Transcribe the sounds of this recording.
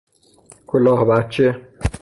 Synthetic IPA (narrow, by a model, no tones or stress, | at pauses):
kʰolɑːhbæt̪̚t͡ʃʰːe